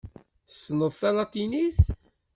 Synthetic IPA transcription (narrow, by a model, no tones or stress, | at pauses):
θə̥sːnəðˤθɑnɑt̪ːiniθ